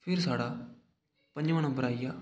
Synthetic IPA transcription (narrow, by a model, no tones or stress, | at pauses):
pʰɪɾsaːɽaː | pə̃ɲd͡ʒʋəɳ̃õːbəɾaːiːjaː